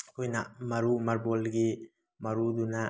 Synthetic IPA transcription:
kʰojnamɐɾumɐɾbolɡi | mɐɾudunɐ

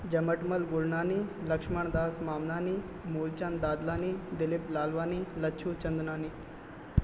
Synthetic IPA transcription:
d͡ʑɐməʈməlɡuɽɳaːniləkʂməɳd̪aːsmaːmnaːniː | muːlt͡ɕand̪aːd̪laːniːd̪iliplaːlʋaːnilɐt͡ʃʰuːt͡ɕɐnd̪naːni

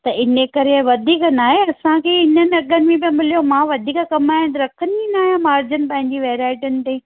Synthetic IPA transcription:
t̪ɐɪnekɐɾeʋɐd̪ʱiːknaːɦeɐsãkʰeːɪnənɪ̆ɐɠənɪ̆mẽbiɐ̃mɪlijomãːʋɐd̪ʱiːkakɐmaːj̃nt̪ɐɾɐkʰəninaːjãmaːɾd͡ʑənɪ̆pɐ̃ɦɪ̃ɲd͡ʑiʋɛːɾaːɪʈənɪ̆t̪e

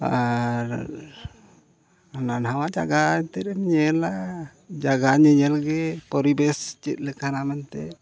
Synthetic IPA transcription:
a̰ɾ | ananɦawad͡ʒa̰ɡaɛnt̪ɛɾɛnɲɛla | d͡ʒaɡaɲɛɲɛlɡɛpɔɾibɛst͡ʃit̪̚lɛkʰanamɛnt̪ɛ̰

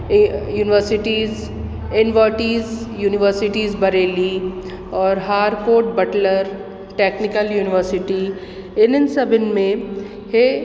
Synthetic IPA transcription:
juːnɪʋəɾsɪʈiːz | ɪnʋəːʈiːzjuːnɪʋəɾsɪʈiːzbɐɾeːli | ɔːɾɦaːɾkoːɾʈ̚bɐʈləɾ | ʈeːknɪkəljuːnɪʋəɾsɪʈi | ɪnɪnsɐbɪnmẽ | he

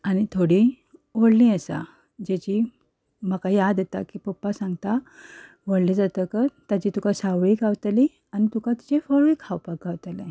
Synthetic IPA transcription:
añit̪ʰoɽi | ʋoɽlĩəsa̰ | d͡ʑet͡ɕiː | məkajad̪et̪a̰kiːpəpːasãŋɡt̪a | ʋəɽled͡zat̪əkət̪at͡ɕiːt̪ukasaʋiɡawt̪li | anit̪ukat̪i̥t͡ɕefəɭikʰawpaɡʱaʋt̪alẽ

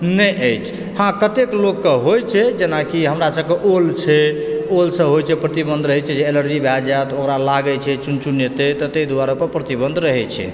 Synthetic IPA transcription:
nəjəjt͡ʃʰ | hãkət̪eklokːəɦojt͡ʃʰɛd͡ʒenakiɦəmɾasəb̚keʔolt͡ʃʰɛolsə̃bɦojt͡ʃʰɛpɾət̪ibə̃nd̪ʱɾəɦɛt͡ʃʰɛd͡ʒeːləɾd͡ʒibʱad͡ʒajt̪okɾalaɡət͡ʃʰɛt͡ʃunt͡ʃunjət̪et̪ɔt̪əjd̪uwaɾəpəɾpɾət̪ibə̃nd̪ʱɾəɦɛt͡ʃʰɛ̰

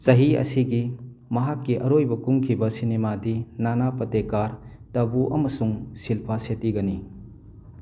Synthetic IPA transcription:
sɐɦiɐ̰siɡi | mɐɦakːiʔɐɾojbɐkuŋkʰibɐsinemadinanapɐtekaɾ | tɐbuʔɐ̰mɐsuŋsilpʰasetiɡɐni

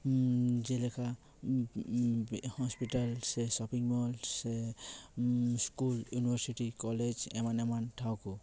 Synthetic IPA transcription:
d͡ʒɛlɛkʰa | hɔspiʈalsɛsɔpiŋmɔlsɛ | skuljunibaɾsiʈikɔled͡ʒɛ̰manɛmantʰawku

